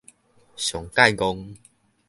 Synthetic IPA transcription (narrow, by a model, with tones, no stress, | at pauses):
ɕjɔ˨˩ŋka˥˧jɡɔ˧ŋ